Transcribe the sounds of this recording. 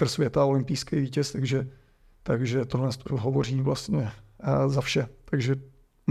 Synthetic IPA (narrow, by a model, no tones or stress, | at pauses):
r̩svjɛt̪aolɪmpijskɛjviːcɛst̪aɡʒɛ | t̪aɡʒɛt̪oɦlɛnst̪oɦovo̞riːvlast̪ɲɛzafʃɛt̪aɡʒɛ